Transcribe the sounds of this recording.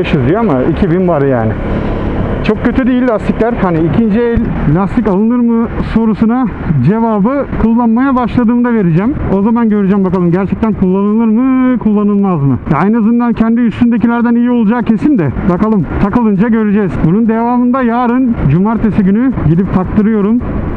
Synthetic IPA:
aʃɯzd̪ijoamaicʰibinvaɾja̰ːnɪ̰ | t͡ʃʰo̞k̚cʰø̞t̪ʰyd̪ijilʲːast̪iclʲæɾhaniicʰind͡ʒiɛlʲlʲast̪ʰicalˠɯnɯɾmɯso̞ɾusuna | d͡ʒe̞vaːbɯkʰulˠːanmajabaʃlˠad̪ɯːmd̪ave̞ɾid͡ʒæmo̞zamanɟø̞ɾyd͡ʒæmbakalˠɯmɟæɾt͡ʃʰɛc̚t̪ʰænkʰulˠːanɯlˠɯɾmɯkʰulˠːanɯlˠmazmɯ̰jajnazɯnd̪ancʰɛnd̪iyst̪ynd̪e̞cilʲæɾd̪ænijio̞lˠud͡ʒaːcʰe̞sind̪ɛbakalˠɯmt̪ʰakɯlˠɯnd͡ʒaɟø̞ɾed͡ʒɛz̥bunund̪e̞vaːmɯnd̪ajaːɾɯnd͡ʒumaɾt̪ʰesiɟynyɟid̪ip̚t̪ʰak̚t̪ʰɯɾɯjo̞ɾum

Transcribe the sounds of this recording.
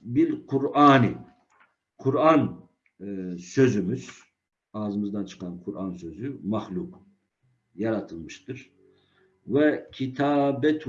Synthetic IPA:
bilqʰuɾaːni | qʰuɾan | sø̞zymyz̥ | aːzɯmɯzd̪ant͡ʃʰɯ̥qʰanqʰuɾansø̞zymaxlʲuq | jaɾat̪ʰɯlˠmɯʃt̪ɯɾ̥ | vɛcʰit̪ʰaːbɛt̪ʰ

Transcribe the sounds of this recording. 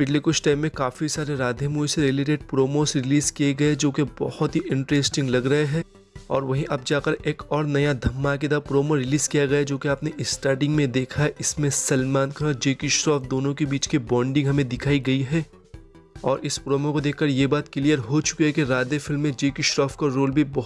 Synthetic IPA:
pɪʈlikʊt͡ʃʰʈaːɪmːẽkaːfisaːɾeɾaːd̪ʱemuːiseɾɪleːʈeɖ̚pɾoːmoːsɾɪliːzkieɡɐed͡ʒoːkebɐhʊt̪ɦiʔɪ̃ɳʈɾeːsʈɪ̃ŋɡlɐɡɾɐɦeɦɛː | ɔ̰ːɾʋɐɦĩʔɐb̚d͡ʒaːkɐɾeːkɔːɾnɐjad̪ʱɐmːak̬ɪd̪apɾoːmoɾɪliːzkijaɡɐjad͡ʒoːkeaːpneʔɪsʈaːɾʈɪ̃ŋɡmẽd̪eːkʰaɦɛʔɪsmẽsɐlmaːnkʰãd͡ʒeːkiʃɾɔːfd̪oːnõkebiːt͡ʃkibɔ̃ːɳɖɪ̃ŋɡɦɐmẽd̪ɪkʰaːiɡɐiɦɛː | ɔːɾɪspɾoːmokod̪eːkʰkɐɾjeːbaːt̪̚kɪlijəɾɦot͡ʃʊ̥keɦɛkeɾaːd̪efɪlmːẽd͡ʒeːkiʃɾɔːfkaɾoːlbʱibɐɦ

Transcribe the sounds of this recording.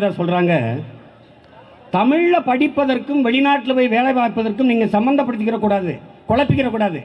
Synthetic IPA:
ðaːsɔlraːŋɡɐ | t̪ɐmɪɻɐpɐɽɪpːɐðɐrkɯmʋɛɭɪnaːʈːɪlɯʋɐɪʋeːɭɐɪʋaːpːɐðɐrkːɯmniːŋɡɐsɐmbɐnd̪ɐpːɐɽɯt̪ːɯk̬ːɪɾɐkːuːɽaːðɯ̰kɔɭɐpːɪkːɪrɐkːuːɽaːðɯ̰

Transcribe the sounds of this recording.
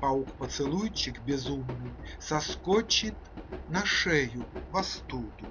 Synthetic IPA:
paukpɐt̪sɨlˠujt͡ʃikbʲɛzumnɨsɐskɔt͡ʃit̪nɐʂɛjuvɐst̪ud̪u

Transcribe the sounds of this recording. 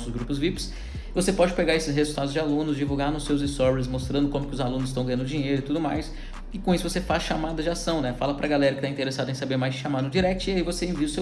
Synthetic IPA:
ʊzɡɾupʊzvips | vosepɔd͡ʒɪpeɡaɾesɪsɦezuwt̪ad̪ʊzd͡ʒɪalũnʊzd͡ʒivuwɡaɾnʊsewzist̪ɔɾveɾs̬most̪ɾɐ̃nd̪ʊkõmʊkɪʊzalũnʊzɪst̪ɐ̃w̃ɐjɐ̃d̪ʊd͡ʒĩɲejɾʊɪt̪ud̪ʊma̰js | ɪkõisʊvosefasʃamad̪ɐzd͡ʒasɐ̃w̃nɛfa̰lɐpɾɐɡalɛɾɐkɪt̪aĩt̪eɾesad̪ʊẽj̃sabeɾmajzd͡ʒɪʃamad̪ʊ̃d͡ʒiɾɛk̚t͡ʃʊiaivoseẽviʊse

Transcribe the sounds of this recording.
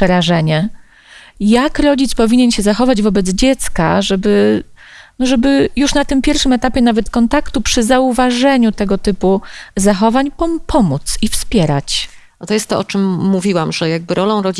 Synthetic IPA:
pʂɛɾaʐɛɲɛ | jakɾɔd͡ʑit̪spɔvʲiɲɛnɕɛzaxɔvad͡ʑvɔbɛd̪zd͡ʑɛt̪ska̰ʐɛbɘ | nɔʐɛbɘjuʂnat̪ɘmpʲjɛɾfʂɘmɛt̪apʲjɛnavɛt̪kɔnt̪akt̪upʂɘzauvaʐɛɲut̪ɛɡɔt̪ɘpuzaxɔvaɲpɔpʰɔmut̪sifspʲjɛɾa̰t͡ɕ | ɔt̪ɔjɛst̪ːɔʔɔt͡ʂɘmːuvʲiwamʐɛjaɡ̚bɘɾɔlɔ̃w̃ɾɔd͡ʑ

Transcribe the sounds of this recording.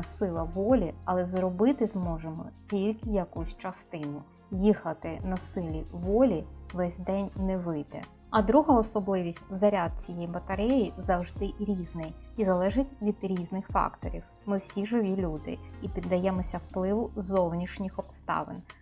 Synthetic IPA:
sɪlˠɐʋɔlʲiɐlˠɛzrɔbɪt̪ɪzmɔʒemɔ̰tʲilʲkɪjɐkusʲt͡ʃɐst̪ɪnʊ | jixɐt̪ɪnɐsɪlʲiʋɔlʲiʋɛsʲd̪ɛnʲnɛʋɪjd̪ɛ̰ | ɐd̪ɾuɦɐɔsɔblˠɪʋʲisʲtʲzɐɾʲad̪̚t͡sʲijɛjbɐt̪ɐɾɛjizɐwʒd̪ɪɾʲiznɪjizɐlˠɛʒɪtʲʋʲid̪ɾʲiznɪxfɑ̰kt̪ɔ̰ɾʲiw | mɪwsʲiʒɪʋʲilʲud̪ɪ̰ipʲid̪ːɐjɛmɔsʲɐwplˠɪʋʊzɔwnʲiʃnʲixɔpst̪ɑ̰ʋɪ̰n

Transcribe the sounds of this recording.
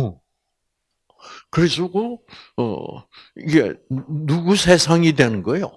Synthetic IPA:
kɯɾis̬ʰuɡoʌ̰iɡḛnuɡusʰe̞sʰaŋidwenɯnɡʌejo

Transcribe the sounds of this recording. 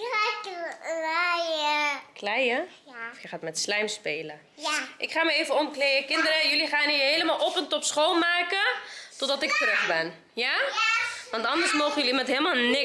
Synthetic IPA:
a | rajəklɛjə | fjəχaːtmɛtslɛjmspeːlə | jaʔɪkχaːməeːvəɔmkleːəkɪndəɾəjøliχaːniɦeləmalˠʔɔpəntɔpsχoːlˠmaːkətɔtdɔtɪk̚tərøχbɛn | ja | ʋɑntɑndəsmoːχəjəliimɛntɦelˠmalˠnɪ

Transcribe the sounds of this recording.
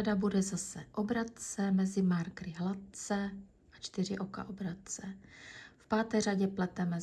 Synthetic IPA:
dabudɛzasɛʔobɾat̪̚t͡sɛmɛzɪmaɾkɾɪɦlat̪̚t͡sɛ | ʔat͡ʃt̪ɪr̝ɪʔo̞ka̰ʔobɾat̪̚t͡sɛfpaːt̪ɛjr̝aɟɛplɛt̪ɛmɛ

